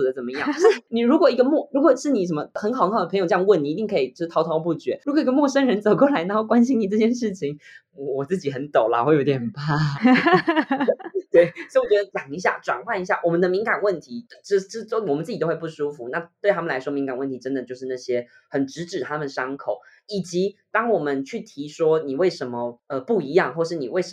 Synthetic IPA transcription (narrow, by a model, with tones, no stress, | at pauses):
u˨˩d̪ə˦t͡sə˨˩nmə˦jɑ˥˩˥ni˨˩ɻu˧˥kwɔ˨˩i˧˥ɡə˧mwɔ˥˩ɻu˧˥kwɔ˨˩ʂɻ̩˥˩ni˨˩ʂə˧˥mə˧xə˧˥nxʰdə˩pʰjo˨˩˥jɑ˥˧ŋ˧wə˥˩ni˨˩i˧t̪i˥˩ŋkʰi˨˩t͡ɕo˥˧ʂɻ̩˥˩tʰt̪ʰɑ˧˥ʊpu˥˩t͡ɕɥɛ˧˥ɻu˧˥kwɔ˨˩i˧˥ɡə˧mwɔ˥˩ʂə˥nɻə˧˥nt͡so˨˩kwɔ˥˩la˧˥ɪna˧˥o˥˩kwa˥nɕi˥ni˨˩ʈ͡ʂɤ˥˩t͡ɕjɛ˥˧nʂɻ̩˥˩t͡ɕʰi˧˦ŋ˧ | wɔ˨˩t͡sɹ̩˥˩t͡ɕi˨˩xə˧˥nt̪o˨˩ʊla̰˦xwe˥˩ɪjo˧˥ʊt̪jɛ˨˩npa˥˩ | t̪we˥˩ɪsɔ˥ɪwɔ˨˩t͡ɕɥɛ˧˥d̪ə˧t͡ɕɑ˨˩ŋi˧˥ɕ̬ja̰˥˩ʈ͡ʂwa̰˨˩nxwa˥˩ni˧˥ɕja˥˩wɔ˨˩mə˦nd̪ə˧mi˧˥ŋka˨˩nwə˥˩nt̪ʰi˧˥˧ə˥˧˥wɔ˨˩mə˦t͡s̩˥˩t͡ɕ̪o˥wɪp̬u˥˩ʂu˥fu˨˩˦na˥˧t̪we˥˩ɪa˥mə˨la˧˥ɪʂwɔ˥mi˧˥ŋka˨˩nwə˥˩nt̪ʰi˧˥ʈ͡ʂə˥nd̪ə˨˩t͡ɕjo˥˧ʊʂɻ̩˥˧na˥˩ɕjɛ˥ | xə˨˩nʈ͡ʂɻ̩˧˥ʈ͡ʂɻ̩˨˩t̪ʰa˥mə˨nʂɑ˥ŋkʰo˨˩˦ʊ | i˨˩t͡ɕi˧˥t̪ɑ˥ŋwɔ˨˩mə˦nt͡ɕʰy˥˩t̪ʰi˧˥ʂwɔ˥ni˨˩we˥˩ɪʂə˧˥nmə˧ə˧pu˥˩i˧˥jɑ˥˧ŋxwɔ˥˧ʂɻ̩˥˩ni˨˩we˥˩ɪʂ